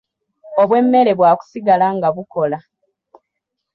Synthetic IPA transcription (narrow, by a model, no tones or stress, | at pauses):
o̞βwe̞mːe̞ɾe̞βwaːku̥siɡalaŋɡaβuko̞la